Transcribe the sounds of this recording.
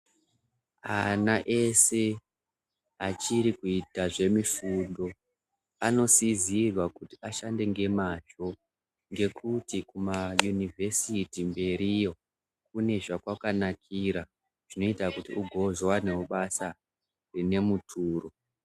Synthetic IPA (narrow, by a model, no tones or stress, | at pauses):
anaʔe̞se̞ | at͡ʃiɾikuitaʐe̞mifundo̞ | ano̞sizirwakutiaʃande̞ŋɡe̞maʒo̞ | ŋɡe̞kʰutikumajunivʱe̞sitimbe̞ɾijo̞ | k̚une̞ʐakwakanakʰiɾa | ʐ̥ino̞itakutiuɡʱo̞zwowane̞woɓasa | rine̞mutʰuːro̞